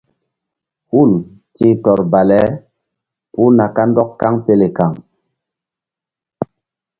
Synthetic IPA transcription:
hu˦˨l | tĩ˦tɔ˨ɾba˨lɛ˨˦ | pu˦na˨ka˦ndɔ˦kka˦ŋpe˦le˨ka˨ŋ

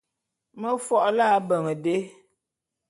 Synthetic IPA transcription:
mə˦fɔ˦ʔlaː˦˨˦bə˨ŋə˨de˦

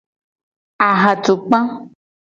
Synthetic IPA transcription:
a˨ɦa˨t̪o˨k͡pã˦

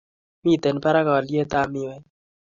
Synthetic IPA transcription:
mi˦˨t̪e˨npa˦ɾa˦ka˨lje˦t̪a˦˨mi˦˨wa˨˦j

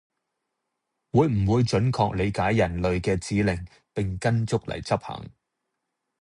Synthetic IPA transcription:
wuː˨˧jm̩˨˩wuː˨˧jt͡ʃɵ˨˥nkʰɔː˧k̚le˨˧jkaː˨˥jːɐ˨˩nlɵ˨ɥkɛː˧t͡siː˨˥lɪ˨˩ŋ | pɪ˨ŋkɐ˥nt͡sʊ˥k̚lɐ̰˨jt͡sɐ˥p̚hɐ̰˨˩ŋ

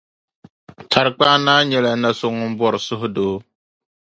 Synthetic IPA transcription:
tʰa˨ɾk͡paː˦naː˦ɲɛ˨la˨˦na˨sʊ˨ŋʊ˦m˦bɔ˨ɾɨ˨sʊ˦ɦʊ˦doː˦

